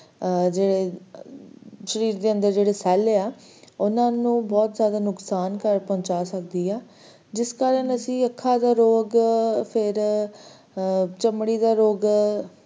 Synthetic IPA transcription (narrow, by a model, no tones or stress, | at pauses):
d͡ʒeːɽeː | ʃəɾiːɾd̪eːə̃nd̪əɾd͡ʒeːɽeːsɛːleaː | ʊnãːnũːbɔːt̪zjaːd̪aːnʊksaːnkəɾpɔ̃ːt͡ʃaːsək̚d̪iːaː | d͡ʒɪskaːɾənəsĩːəkʰːaːd̪aːɾoːɡpʰɪɾ | t͡ʃəmɽiːd̪aːɾoːɡ